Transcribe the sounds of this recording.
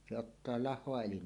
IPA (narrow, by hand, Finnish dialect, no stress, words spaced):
se otːɑː lɑhˑoɑ elin